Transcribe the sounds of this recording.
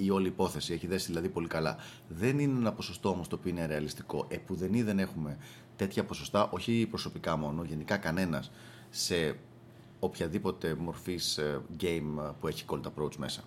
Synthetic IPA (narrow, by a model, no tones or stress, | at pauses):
io̞liːpo̞θe̞sie̞çiðe̞siðilɐðipo̞likɐlɐ̰ | ðe̞nineenɐpo̞sost̪o̞omo̞st̪opioine̞ɾe̞ɐlist̪i̥ko̞ʔe̞puðe̞niðe̞ne̞xume̞ | t̪e̞t̪çɐpo̞so̞st̪ɐʔo̞çipɾo̞so̞pikɐmo̞noʝe̞nikɐkɐne̞nɐs | se̞ | o̞pçɐðipo̞t̪e̞mo̞ɾfisʝe̞jmpue̞çi̥ko̞lt̪ɐpɾo̞ut͡sme̞sɐ